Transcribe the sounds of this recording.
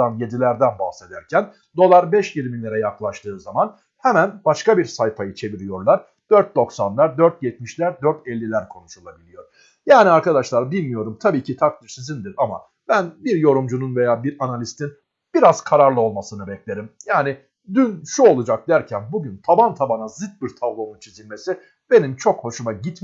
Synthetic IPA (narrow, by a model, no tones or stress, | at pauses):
anje̞d̪ilʲæɾd̪ænbahse̞d̪æɾcʰæn | d̪o̞lˠaɾbɛʃjiɾmilʲe̞ɾɛjaklˠaʃt̪ʰɯːzaman | hɛmænbaʃkabiɾsajfajɯt͡ʃʰe̞viɾijo̞ɾlˠaɾ | d̪̥øɾt̪̚d̪o̞ksanlˠaɾd̪øɾt̪̚jɛt̪̚miʃlʲæɾd̪øɾt̪ʰɛlʲːilʲæɾkʰo̞nuʃulˠabilʲijo̞ɾ̥ | jaːniaɾkad̪aʃlˠaɾbilʲmijo̞ɾumt̪ʰabiːcʰit̪ʰak̚t̪ɯʃsizind̪iɾama̰ | b̥ænbiɾjo̞ɾumd͡ʒununvejaːbiɾanalʲist̪ʰin | b̥iɾaz̥kʰaɾaɾlˠɯo̞lˠmasɯnɯbɛclʲe̞ɾimjaːni | d̪ynʃuo̞lˠud͡ʒak̚d̪æɾcʰænbuɟynt̪ʰabant̪ʰabanazɯt̪̚biɾt̪ʰavlˠo̞nunt͡ʃʰizinme̞si | be̞nint͡ʃʰo̞kho̞ʃumaɟit̪